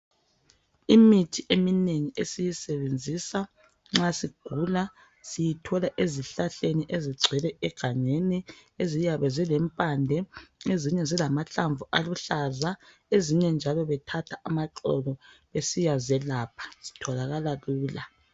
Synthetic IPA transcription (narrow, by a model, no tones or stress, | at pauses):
imitʰiʔemineŋiʔesijisɛβend͡zʱisa | ŋ͡ǁasiɡ̥ʱula | sijitʰɔlaʔeziɬaɬeniʔeziɡ͡ǀʱɛlɛɛɡ̥ʱaɲeniezijaβɛzilɛmpʼandʱɛeziɲɛzilamaɬaɱvuʔaluɬaza | eziɲɛnd͡ʒʱalɔβɛtʰatʰaamaǁɔ̰lɔβesijazɛlaːpʰḁz̥i̥tʰɔlaɣalaɣuːla